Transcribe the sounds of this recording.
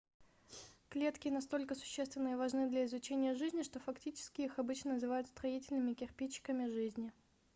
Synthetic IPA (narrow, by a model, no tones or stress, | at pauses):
klʲe̞t̪kʲɪnɐst̪o̞lʲkəsʊ̥ɕːest̪vʲɪnːɨjəvɐʐnɨd̪lʲɐɪzʊt͡ɕenʲɪjəʐɨzʲnʲɪʂt̪o̞fɐktʲit͡ɕɪ̥skʲɪixɐbɨt͡ɕnənəzɨvajʊt̪st̪ɾɐitʲɪlʲnɨmʲɪkʲɪrpʲit͡ɕːɪ̥kəmʲɪʐɨzʲnʲɪ